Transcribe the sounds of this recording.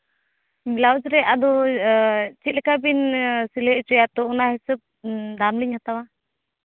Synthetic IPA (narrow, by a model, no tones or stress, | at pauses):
milawd͡ʒɾɛʔad̪ɔ | t͡ʃit̪̚ˀlɛkabinsilɛʔt͡ʃɛjat̪ɔɔnahɛsəb̚d̪amliɲhat̪awa